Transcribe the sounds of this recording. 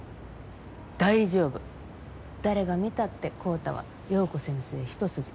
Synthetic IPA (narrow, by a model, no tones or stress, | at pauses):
d̪̥aiʑo̞ːbɯ̟ | d̪̥aɾe̞ɡamʲit̪at̪ːe̞kʰo̞ːt̪a̰βa̰ | jo̞ːko̞sẽ̞ɰ̃seːçi̥t̪o̞sɨʑi̥